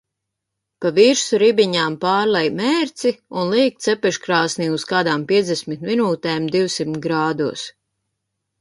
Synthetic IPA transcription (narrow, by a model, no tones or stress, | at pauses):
paviːɾsuɾibiɲaːmpaːɾlɛjmɛːɾt̪siunlˠiːk̚t̪sɛpɛʃkɾaːsniuskaːd̪aːmpʲiɛd̪zd̪ɛsmit̪minuːt̪ɛːmd̪iwsimt̪ɡɾaːd̪uɔs